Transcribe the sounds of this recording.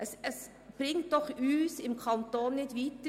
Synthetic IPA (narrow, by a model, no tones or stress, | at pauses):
ʔɛsɛs | b̥ɾɪŋt̪̚d̥̪ɔχyːsɪmkʰɑnt̪oːnːɪt̪ʋiːt̪ə